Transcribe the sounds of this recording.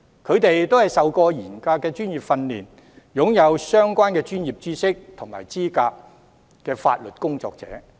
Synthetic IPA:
kʰɵ˨˧ɥt̪e˨jt̪o˥whɐ˨jsɐ˨wkɔː˧jiː˨˩nkaː˧kːɛː˧t͡ʃyː˥njiː˨˩p̚fɐ˧nliː˨n | jʊ˨˥ŋjɐ˨˧wsœː˥ŋkʷaː˥nkɛː˧t͡ʃyː˥njiː˨˩p̚t͡siː˥sɪ˥k̚t̪ʰʊ˨˩ŋma̰ː˨˩jt͡siː˥kaː˧k̚ | kɛː˧fa̰ː˧t̚lɵ˨t̚kʊ˥ŋt͡sɔ̰ː˧k̚t͡sɛ̰ː˨˥

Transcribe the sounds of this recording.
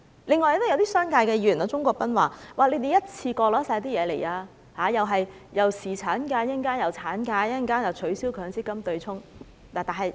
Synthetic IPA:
leɪ˨ŋːɔː˨jt̪o˥jwt̪iː˥sœː˥ŋkaː˧jkɛː˧jiː˨˩˨naː˨˧t͡sʊ˥ŋkɔː˧k̚pɐ˥nwa̰ː˨waː˨˩le˨˧˥t̪e˨jɐ˥t̚t͡sʰiː˧kɔː˧lɔː˨˥saː˧˥t̪̬iː˥jɛː˨˧le˨˩jaː˧ | haː˨jɐ˨wɦɐ˨j | jɐ˨wsiː˨t͡sʰaː˨˥nkaː˧jɐ˥˩ŋkaː˥njɐ˨˩wt͡sʰaː˨˥nkaː˧jɐ˥ŋkaː˥njɐ˨wt͡ʃʰɵ˨˥ɥsiː˥wkʰœː˨˧˥ŋt͡siː˥kːɐ˥mt̪ɵ˧ɥt͡sʰʊ˥ŋ | laː˨˩t̪aː˨nɦɐ˨j

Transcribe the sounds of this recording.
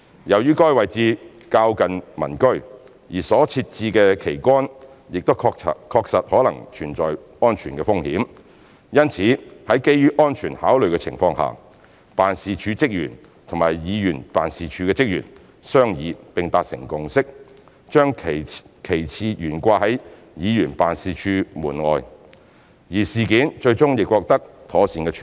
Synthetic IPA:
jɐ˨˩wjyː˥kɔː˥jwɐ˨jt͡siː˧ | kaː˧wkɐ˨nmɐ̰˨˩nkɵ˥ɥ | jiː˨˩sɔː˨˥t͡sʰiː˧t̚t͡siː˧kɛː˧kʰe˨˩jkʷɔː˥n | jɪ˨k̚t̪o˥wʰkʰɔː˧k̚sɐ˨t̚hɔː˨˥lɐ˨˩ŋt͡ʃʰyː˨˩nt͡ʃɔ̰ː˨j | ɔː˥nt͡ʃʰyː˨˩nkɛː˧fʊ˥ŋhḭː˨˥m | jɐ˥nt͡sʰiː˨˥hɐ˨˥jke˥jːyː˥ʔɔː˥nt͡ʃʰyː˨˩nhaː˨˥wlɵ˨ɥkɛ˧t͡sʰɪ̰˨˩ŋfɔː˧ŋha̰ː˨ | paː˨nsiː˧t͡ʃʰyː˨˧t͡sɪ˥k̚jy̰ː˨˩n | t̪ʰŋmaː˨˩jjiː˨˧jyː˨˩npaː˨nsiː˨t͡ʃʰyː˨˧kɛː˧t͡sɪ˥k̚jy̰ː˨˩n | sœː˥ŋjiː˨˧pɪ˨ŋt̪aː˧t̚sɪ̰˨˩ŋkʊ˨ŋsɪ˥k̚ | t͡ʃœː˥ŋʰ˨kʰe˨˩jt͡sʰiː˧jyː˨˩nkʷaː˧hɐ˨˥j | jiː˨˧jyː˨˩npaː˨nsiː˨˧t͡ʃʰyː˨˧muː˨˩nŋɔː˨˧j | jiː˨˩siː˨kiː˨˥nt͡ʃɵ˧ɥt͡sʊ˥ŋjɪ˨kːwɔː˧k̚t̪ɐ˥k̚t̪ʰɔː˨˥siː˧nkɛː˧t͡ʃʰ

